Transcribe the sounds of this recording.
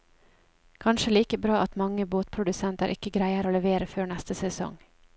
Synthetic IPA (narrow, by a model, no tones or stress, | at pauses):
kʰɑnʃəliːkəbɾɑːʔɑt̪mɑŋːəboːt̪̚pʰɾʊd̪ʉsɛnt̪əɾʔɪkːəɡɾæɪəɾoːlɛʋeːɾəføːɳɛst̪əsɛsɔ̰ŋ